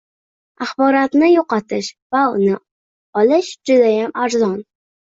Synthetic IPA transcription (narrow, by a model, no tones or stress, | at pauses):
aχbɒɾat̪nɪjoqɑt̪ʰɪʃvaʊnɪ | ɒlɪʃd͡ʒʊd̪ajamaɾzɒn